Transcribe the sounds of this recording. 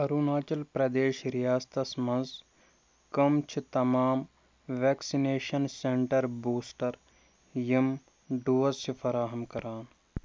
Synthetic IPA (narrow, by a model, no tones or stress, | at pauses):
ɐɾuːnaːt͡ʃɐlpɾɐd̪eːʃɾijaːst̪ɐsmɐ̃nz | kɐmt͡ʃʰt̪ɐmaːm | ʋɛːksineːʃɐnsẽɳʈəɾbuːsʈɐɾ | jim | ɖuːɐsifʰɐɾaːɦɐmkɐɾaːn